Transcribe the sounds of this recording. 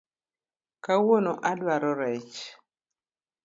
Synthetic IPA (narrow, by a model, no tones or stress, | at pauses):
kawonoʔadwaɾɔɾɛt͡ʃ